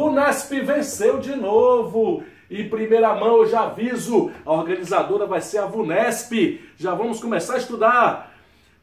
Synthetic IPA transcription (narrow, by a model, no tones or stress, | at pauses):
ũnɛspɪvẽsewd͡ʒɪnovʊ | ɪpɾimejɾɐmɐ̃w̃ʒaavizʊɐoɾɡɐ̃nizad̪oɾɐvajseɾɐvunɛspɪʒavɐ̃mʊskõmesaɾɐɪist̪ud̪aɾ